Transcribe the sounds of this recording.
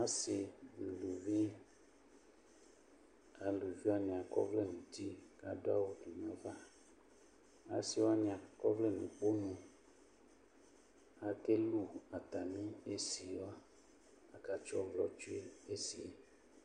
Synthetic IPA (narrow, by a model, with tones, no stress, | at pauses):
a˦si˨n̩˨lu˨vi˦ | a˨lu˨vi˦a˦ɲĩ˨a˨kɔ̰˦vle˦˨nũ˨ti˦ka˨do˦a̰˦wo˦du˨n˨ɔ̃˦va˦ | a̰˨si˦wa˦ɲĩ˨a˨kɔ˦vle˦˨nũ˨k͡po˦nũ˨ | a˨ke˦lu˦a˨t̪a˨mĩ˦e˦si˨wa˦ | a˨ka˨t͡ʃɔ˦vlɔ˨t͡ʃu˦e˦e˦si˨e˦